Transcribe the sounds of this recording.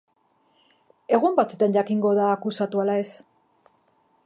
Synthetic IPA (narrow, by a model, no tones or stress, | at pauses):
e̞ɣumbat͡sut̪anʝakiŋɡo̞ðaːkusat̪ualae̞s